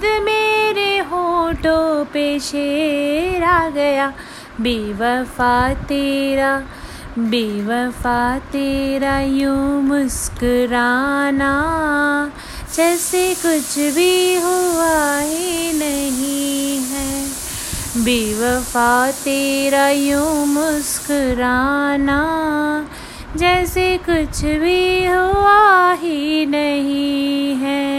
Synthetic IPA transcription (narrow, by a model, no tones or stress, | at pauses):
d̪meːɾeɦoːʈopeʃe | ɾaɡɐjaː | beʋɐfaːt̪iɾa | beʋəfaːt̪ɪɾajũmʊskɾaːna | d͡ʒɛːsekʊt͡ʃʰbʱiɦoʋaɦinɐɦĩɦɛː | bʱiʋəfaːt̪eːɾajõmʊskɾaːna | d͡ʒɛːsekʊt͡ʃʰbʱiɦoaɦinɐɦĩɦɛː